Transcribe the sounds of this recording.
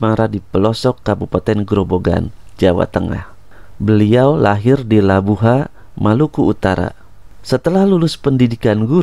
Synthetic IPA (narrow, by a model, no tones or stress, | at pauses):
maɾadipəlɔsɔkːabupat̪ɛnɡɾoboɡa̰nd͡ʒawa̰t̪əŋa̰h | bəliawla̰ɦɪrdilabuɦa | mʔalukuut̪aɾa̰ | sət̪əlahlulʊspəndidikanɡu